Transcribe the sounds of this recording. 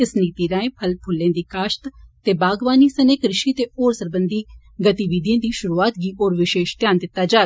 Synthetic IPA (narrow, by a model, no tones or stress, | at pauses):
ɪsniːt̪iːɾãːẽːpʰəlpʰʊlːẽːd̪iːkaːʃt̪t̪eːbaːɡʋaːniːsəneːkɾɪʃiːt̪eːoːɾsəɾbənd̪iː | ɡət̪iʋiːd̪jãːd̪iːʃʊɾuːaːt̪ɡiːʔoːɾʋɪʃeːʃt̪jaːnd̪ɪt̪ːaːd͡ʒaː